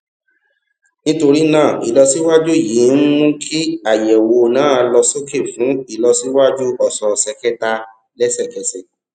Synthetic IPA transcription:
nĩ˦to˧ɾi˦nãː˦˨i˨lɔ˧si˦wa˦d͡ʒu˦˨ji˨˦n̩˦mũ˦kʰi˦a˦˨jɛ˨wo˧nãː˦˧lɔ˧so˦ke˦˨fũ˨˦i˨lɔ˧si˦wa˦d͡ʒu˦ɔ˦˨sɔ˧sɛ˧kɛ˦ta˧ | lɛ˦sɛ˦˨kɛ˧sɛ˨

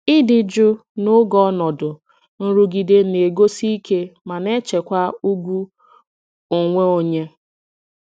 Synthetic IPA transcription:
ɪ˦dɪ˨d͡ʒʊ˦nʊ˦ɡɔ˦nɔ˨dʊ˨ | n̩˦ɾu˦ɡi˨de˦ne˨ɡo˦si˦i˦ke˦ma˨ne˦t͡ʃe˨kʷa˦u˦ɡʷu˦ | o˨ŋʷe˦o˨ɲe˦

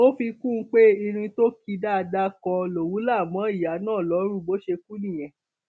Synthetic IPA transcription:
o˦fi˧kũ˦˨˦k͡pe˦i˧ɾ̃ĩ˧to˦ki˧da˦˧da˦kɔ̃˧lo˨wu˨˦la˦˨mã˨˦i˦˨ja˨˦nãː˦˨lɔ˨˦ɾũ˦˨bo˦ʃe˧ku˦nĩ˨j̃ɛ̃˨

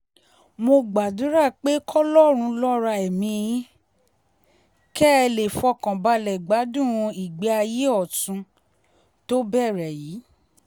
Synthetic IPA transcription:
mo˧ɡ͡ba˨dũ˨˦ɾa˦˨k͡pe˦kʰɔ˦lɔ˦˨ɾ̃ũ˧lɔ˦ɾa˧ɛ˨mĩ˧jĩ˦ | kɛ˦˧le˨fɔ˧kã˨ba˧lɛ˨ɡ͡ba˨˦dũ˦˨ɾũ˧i˨ɡ͡bɛ˨˦a˧je˦ɔ˦˨tũ˧˦ | to˦bɛ˦˨ɾɛ˨jiː˨˦

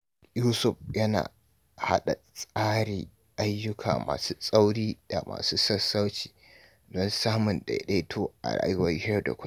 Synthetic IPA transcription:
juː˦sʊ˨ɸ̚jɐ˦na̰ː˨ | ha̰˦ɗa˨sʼaː˦ɽiː˨ | ʔa˦jːʊ˦kʰa̰ː˨ma̰ː˨suː˦sʼa˦wɽiː˦da˨mʔa̰ː˨suː˦sɐ˦sːa˦wt͡ʃi̥ː˨ | dɔ˦nsaː˦mʊ˨nɗa̰˨ɗe˦tʰoː˦ʔa˨ɾa̰ː˦jʊ˦wɐ˦jhɪ˦jɔ˦da̰˨kʷʊ˦

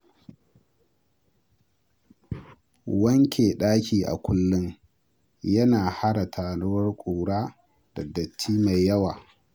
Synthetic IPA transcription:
wɐ˦ŋkʲʰeː˨ɗaː˦kʲiː˨ʔa̰˨kʷʰʊ˦lːʊ˦ŋ | jɐ˦naː˨ha˦ɽa˨tʰaː˨nʊ˦wɐ˦rkʷʼuː˨ɽaː˦ | d̥ɐ˨dɐ˨tːiː˦ma˨jːɐ˦waː˨

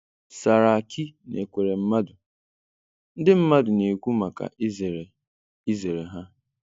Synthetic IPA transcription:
sa˨ɾa˨a˨kʰi˦nḛ˨kʷe˨ɾe˨m̩˦ma˦dʊ˨ | n̩˦dɪ˦m̩˦ma˦dʊ˨ne˨kʷu˦ma˨ka̰˨ʔi˦ze˨ɾe˨ | i˦ze˨ɾe˨ɦa˦

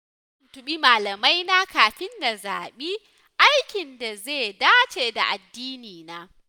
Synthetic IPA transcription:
ɐ˦ntʊ˦ɓi˦maː˨lɐ˨ma˦jnaː˦kaː˨ɸɪ˦nːa˨za̰ː˨ɓiː˦ | ʔa˦jkʲɪ˨nda˨zeː˦˨daː˦t͡ʃeː˨da̰˨ʔa˨dːiː˦niː˨naː˦

